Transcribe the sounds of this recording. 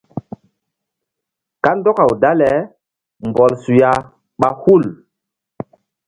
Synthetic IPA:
ka˦ndɔ˦ka˨wda˦lɛ˨˦ | mbɔ˨lsu˨ja˨ | ɓa˦hu˦˨l

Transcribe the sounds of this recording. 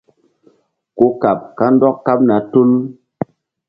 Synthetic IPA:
ko˦ka˨p̚ka˦n˦dɔ˦kkːa˦p̚na˨˦tu˦l

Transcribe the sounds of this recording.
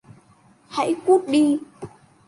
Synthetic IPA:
ha̰˧˥jku˦˥t̚ɗi˧

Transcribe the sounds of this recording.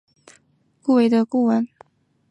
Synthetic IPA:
ku˥˨we˨˥ɪd̪ə˨ku˥˨wə˨˦n

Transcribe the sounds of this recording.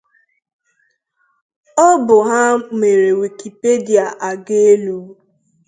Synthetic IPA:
ɔ˦bʊ˨ɦa˦me˨ɾe˨wi˨ki˨pe˦di˨a˨ʔa˨ɡe˦lu˦

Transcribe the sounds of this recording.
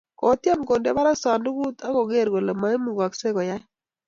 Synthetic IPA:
kɔ˨˦t̪ja˦mko˨nde˦ba˦ɾa˦ksa˨ndu˦ku˦t̪a˦ko˨ɡe˦˨ɾɡo˨la˨ma˦i˦mu˨ɡwa˨kse˦kɔ˨ja˦

